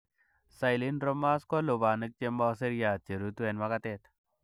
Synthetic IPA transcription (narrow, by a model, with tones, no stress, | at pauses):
sa˨jli˦nɾɔ˦ma˦skɔ˦lo˨ba˨nɨ˦k̚t͡ʃe˦ma˦s̬e˦ɾja˨t͡ʃe˨ɾu˦t̪u˦e˨nma˦ka˦t̪e˨t̪